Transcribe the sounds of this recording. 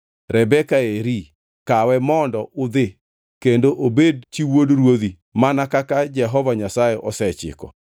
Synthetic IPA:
ɾʔɛbɛkaeɾi | kawɛmɔndɔʔʊd̪ɪ | kendoʔobedt͡ʃiwodɾwoði | manakakad͡ʒɛɦɔvaɲasajeʔɔsɛt͡ʃɪ̰kɔ̰

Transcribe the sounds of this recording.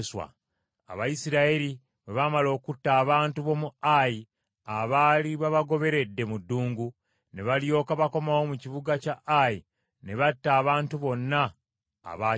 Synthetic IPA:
swa̰ | a̰βajisiɾaeɾi | βe̞βamalo̞ːkutːaːβaːntuβo̞muaji | aβaliβaβaɡo̞βe̞ɾe̞dːe̞mudːuːŋɡu | ne̞βaljo̞ːkaβako̞mawo̞muciβuɡacaʔaji | ne̞βatːaːβaːntuβo̞nːa̰ː | βa

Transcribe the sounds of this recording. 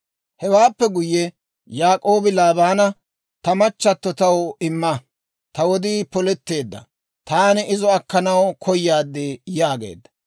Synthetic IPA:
hɛwaːpːɛɡʊjːɛ | jaːkʼo̞ːbɪlaːbaːnɐ | t̪ɐmɐt͡ʃːɐt̪ːɔt̪ɐwɪmːɐ | t̪ɐwɔd̪iːpɔlɛt̪ːe̞ːd̪ːɐ̰ | t̪aːnɪɪzɔɐkːɐnɐwkʰɔjːaːd̪ːɪjaːɡḛːd̪ːɐ̥

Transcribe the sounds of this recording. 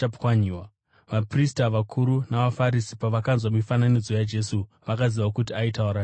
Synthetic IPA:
apwaɲiwa | ʋapristaʋakʰuɾunaʋafaɾisi̥paʋakanzwamifananid͡zo̞jad͡ʒe̞su | ʋakaziʋakutiaitauɾa

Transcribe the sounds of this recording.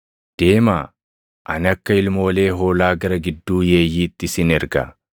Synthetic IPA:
d̪̥e̞ːmaː | ʔɐ̰nɪɐkːɐɪlmo̞ːle̞ːɦo̞ːlaːɡɐɾɐɡɪd̪ːuːje̞ːjːiːt̪ːɪsɪnɛɾɡɐ̰

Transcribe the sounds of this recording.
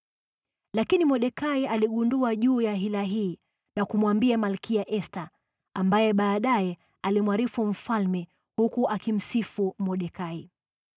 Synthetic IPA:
lakinimɔɗɛkaialiɠunduaʄuːjaɦilaɦiː | nakumwambiamalkiaʔɛsta | ambajɛɓaːɗajɛ | alimwaɾifum̩falmɛ | hukuʔakim̩sifumɔɗɛkai

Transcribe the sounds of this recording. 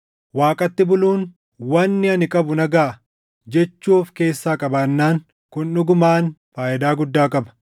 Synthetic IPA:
waːkʼɐt̪ːɪbʊluːn | wɐnːɪɐnɪkʼɐbʊnɐɡaː | d͡ʒɛt͡ʃːuːfke̞ːsːaːkʼɐbaːnːaːŋ | kʊnnʊɡʊmaːnfaːjʔɪd̪aːɡʊd̪ːaːkʼɐbɐ̥

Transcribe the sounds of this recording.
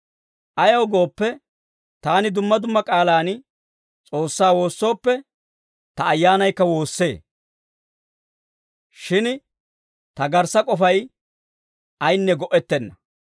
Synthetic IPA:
ʔɐjɐwɡo̞ːpːɛ | t̪aːnɪd̪ʊmːɐd̪ʊmːɐkʼaːlaːn | t͡sʼo̞ːsːaːwo̞ːsːo̞ːpːɛ | t̪ɐːjːaːnɐjkːɐwo̞ːsːe̞̰ː | ʃɪn | t̪ɐɡɐɾsɐkʼɔfɐj | ɐjnːɛɡɔʔɛt̪ːɛnːɐ

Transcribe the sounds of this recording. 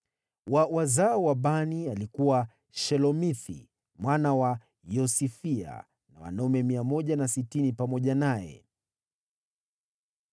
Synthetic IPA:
wawazaɔwaɓanialikuwa | ʃɛlɔmiθḭ | mwanawa | jɔsifia̰ | nawa̰nɔmɛmiamɔʄanasitinipamɔʄanajɛ̰

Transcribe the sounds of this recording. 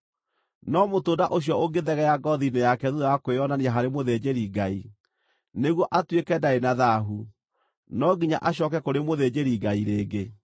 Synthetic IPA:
nɔmotoːdaʔoɕ̬jɔoɡeðɛɣɛjaɡɔðinejakɛðuðojakoeɔnaneaɦaɾemoðed͡ʑeɾiɡai | neɣwɔʔatwekɛdaenaðaɦu | nɔɡiɲa̰ʔaɕ̬ɔkɛkoɾemoðed͡ʑeɾiɡaiɾeːɡe

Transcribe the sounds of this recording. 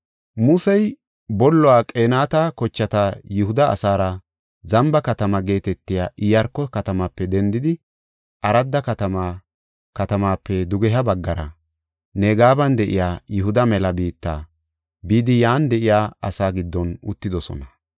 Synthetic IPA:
mʊsɛj | bɔlːɔwaːkʼeːnaːt̪ɐkɔt͡ʃːɐt̪ɐjʊhʊd̪ɐ̰ːsaːɾɐ | zɐmbɐkɐt̪ɐmɐɡe̞ːt̪ɛt̪ːɪjaːʔɪjɐɾkɔkɐt̪ɐmapːɛd̪ɛnd̪ɪd̪ɪ | ʔɐɾɐd̪ːɐkɐt̪ɐm | kɐt̪ɐmaːpːɛd̪ʊɡɛɦɐbɐɡːɐɾɐ̰ | neːɡaːbɐnd̪ɛʔɪ̰jaːjʊɦʊd̪ɐmɛlɐbiːt̪ːa̰ː | biːd̪ɪjaːnd̪ɛʔɪjaːɐsaːɡɪd̪ːɔnʊ̰t̪ːɪd̪ɔsɔ̰nɐ

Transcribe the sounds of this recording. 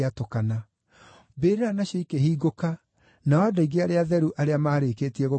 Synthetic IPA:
atokana | beːɾeɾanaɕeikeɦiːɡoka | naadɔiɣeaɾeaðɛɾuʔaɾeamaːɾekeːtiɛɣo

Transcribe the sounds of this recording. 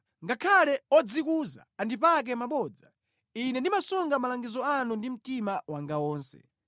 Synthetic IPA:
ŋɡakʰalɛɔd͡zikuza̰ːndipak̬ɛmaɓɔːd͡za | inɛndimasɔŋɡamalaŋɡizɔanundim̩timawaŋɡawɔːnsɛ̰

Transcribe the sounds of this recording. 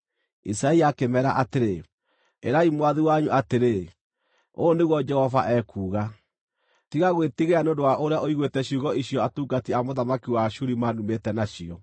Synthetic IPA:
isaiakemɛɾa̰ʔateɾe | eɾaimwaðiwaɲuʔateɾe | oːneɣwɔd͡ʒɛhɔva̰ʔɛkuːɣa | tiɣaɣwetiɣeaneondowaʔoɾeaʔoiɣwetɛɕuːɣɔiɕijɔatuɡatiamoðamakiwaɕuɾimanumetɛnaʃiɔ

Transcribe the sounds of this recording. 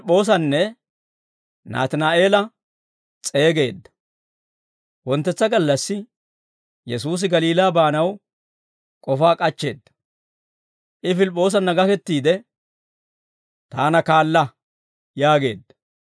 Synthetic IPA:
pʼːo̞ːs̬ɐnːɛ | na̰ːt̪ɪnaːʔe̞ːlɐ | t͡sʼe̞ːɡe̞ːd̪ːɐ̥ | wɔnt̪ːɛt͡sːɐɡɐlːɐsːɪ | jɛs̬uːs̬ɪɡɐliːlaːbaːnɐw | kʼɔfaːkʼɐt͡ʃːe̞̰ːd̪ːɐ̥ | ʔɪfɪlpʼːo̞ːs̬ɐnːɐɡɐkɛt̪ːiːd̪ɛ | t̪aːnɐkaːlːɐ | jaːɡe̞̰ːd̪ːɐ̥

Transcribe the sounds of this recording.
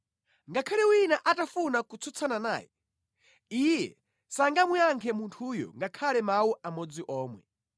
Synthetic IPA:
ŋɡakʰalɛwinaʔatafunakut͡sʰɔt͡sʰanana̰ːjɛ | ijɛ̰ | saŋɡamwiaŋkʰɛmuntʰujɔ̰ŋɡakʰalɛmawuʔamɔd͡ziʔɔːmwɛ̰

